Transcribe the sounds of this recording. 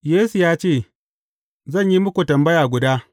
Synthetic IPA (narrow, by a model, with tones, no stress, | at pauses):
jeː˦su˨jaː˦t͡ʃeː˦˨ | zɐ˦˨ɲji˦mʊ˦kʷu˨tɐ˨mbɐ˦jaː˨ɡʷʊ˨daː˦